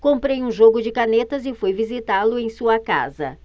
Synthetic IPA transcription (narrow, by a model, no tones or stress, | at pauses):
kõpɾejũʒoɡʊd͡ʒɪkanet̪ɐzɪfojvizit̪alʊẽj̃suɐka̰zɐ̰